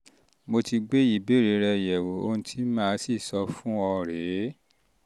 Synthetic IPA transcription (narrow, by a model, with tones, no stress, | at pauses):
mo˧ti˧ɡ͡be˦i˦˨be˨˦˨ɾe˨˦ɾɛ˧jɛ˨wo˨o̰˧˦nũ˦tʰi˦mãː˦˧˦si˦˨sɔ˧fũ˦ɔ˧ɾe˨˦